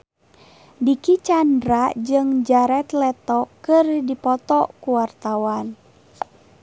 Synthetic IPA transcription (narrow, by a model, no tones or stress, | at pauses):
dikit͡ʃandɾad͡ʒɨŋd͡ʒaɾɛt̪lɛt̪ɔkɨrdipɔt̪ɔkuwart̪awan